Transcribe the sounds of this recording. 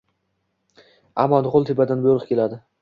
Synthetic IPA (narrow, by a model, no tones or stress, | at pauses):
a̰mɒnʁolˠt̪ʰebad̪anboɾɨqkʲe̞lad̪ɪ